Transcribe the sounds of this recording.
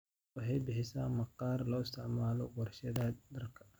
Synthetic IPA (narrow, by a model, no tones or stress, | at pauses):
wʊħɑjbɪħɪsaːmɑqːɑːrlɔɪst̪ʰɪʕmaːlɔwɐrʃɐðaːd̪d̪ɐrkʰɐ̥